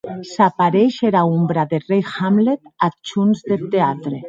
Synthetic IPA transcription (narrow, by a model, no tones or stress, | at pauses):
sapaɾeʃeɾaumbɾaðerejxamlet̪at͡ʃunzðet̪eat̪ɾe